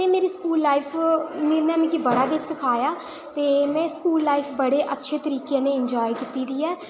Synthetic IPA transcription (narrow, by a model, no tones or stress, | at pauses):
t̪eːmeːɾiːskuːlːaːifʰmeːɾnɛːmɛ̃kibəɽaːɡɪt͡ʃsɪkʰaːjaː | t̪eːmɛ̃ːskuːlːaːifʰbəɽeːʔətːʃʰeːt̪əɾiːkjẽːneːɪɲd͡ʒɔːikit̪iːd̪iːɛː